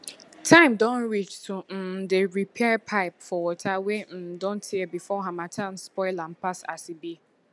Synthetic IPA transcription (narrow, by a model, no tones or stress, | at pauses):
tʰãɪ̃mdɔ̃nɹit͡ʃtʰum̩deɹipʰɛpʰaɪpfɔwɔtʰawem̩dɔ̃ntʰiɛbifɔɦamatʰãn̩spɔɪlam̩pasa̰sibi